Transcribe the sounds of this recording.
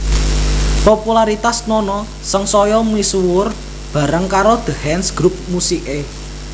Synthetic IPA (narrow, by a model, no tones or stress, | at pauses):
populaɾit̪asnɔnɔ | səŋsɔjɔmisuwʊr | b̥a̤ɾəŋkaɾod̪̥ə̤hɛnsɡ̥ɾup̚musiʔe